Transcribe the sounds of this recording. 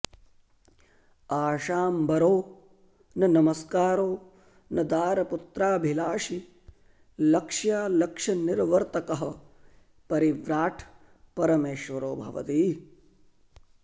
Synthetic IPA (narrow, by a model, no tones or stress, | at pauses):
aːʃaːmbɐɾoː | nɐnɐmɐskaːɾoː | nɐd̪aːɾɐput̪ɾaːbʱilaːʃi | lɐkʂjaːlɐkʂɐnɪɾʋɐɾt̪ɐkɐɦɐ̆ | pɐɾiʋɾaːʈʰ | pɐɾɐmeːʃʋɐɾoːbʱɐ̰ʋɐ̰t̪iː